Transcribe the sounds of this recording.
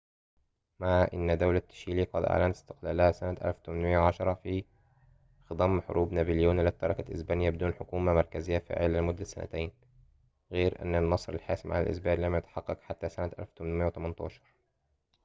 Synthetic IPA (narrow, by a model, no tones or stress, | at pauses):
maʕʔɪ̰nːd̪awlat̪ːḁʃiːliːqɑd̪ʔa̰ʕlænɪ̥st̪ɪ̥qlalahæsanæt̪ʔæ̰lft̪ʊmanmɪjːawʕɑʃɑɾˤɑfi | xd̪ˤɑmːħʊ̰ɾʔuːbnæbɪljuːnlɪt̪ːɑɾˤɑkaʔɪ̰sbæːnɪjæbɪd̪uːnħʊkuːmamɑɾˤkæzɪjːafa̰ːʕɪlalmʊd̪ːasːa̰næ̰t̪ajn | ɣeːɾʔa̰nːɪnːɑsˤɾɪ̰lħa̰ːsmʕa̰æ̰lʔɪ̰sbæːllæmjʊt̪ħɑqːɑqħat̪ːæsænat̪ʔæ̰lft̪ʊmnmɪjawt̪æmɑnt̪ˤɑ̰ːʃɑ̥ɾˤ